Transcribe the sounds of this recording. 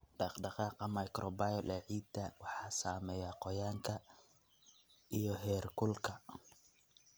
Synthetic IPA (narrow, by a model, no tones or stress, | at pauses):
ɖɑqɖɑqɑːqɑmɐjkɾʔɔbajɔlʔɛːʕiːd̪ɐwɑħɑːsaːmɛːjaqɔjaːŋkʰɐ | ijɔɦɛːrkʰʊlkʰɐ